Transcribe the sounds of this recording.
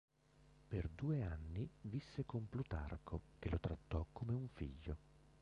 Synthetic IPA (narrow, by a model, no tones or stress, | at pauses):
perd̪uːeanːivisːekomplut̪a̰rkʰok̟elʔot̪ɾat̪ːɔkːomeuɱfḭʎːo